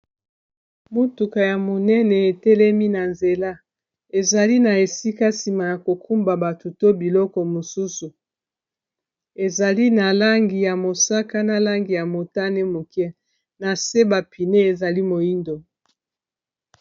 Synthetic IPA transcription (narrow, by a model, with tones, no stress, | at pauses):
mo˦tu˨ka˨ja˨mo˨nɛ˦nɛ˨e˨tɛ˦lɛ˦mi˦na˨nze˨la˦ | e˨za˨li˦na˨e˨si˦ka˦si˨ma˨ja˨ko˨kʰu˦mba˨ba˨tu˨to˦bi˨lɔ˦kɔ˨mo˨su˦su˨ | e˨za˨li˦na˨la˦ŋɡi˨ja˨mo˨sa˦ka˦na˨la˦ŋɡi˨ja˨mo˨ta˦ne˦mo˨kjɛ˦ | na˨se˦ba˨pi˨ne˦e˨za˨li˦mo˨i˦ndo˨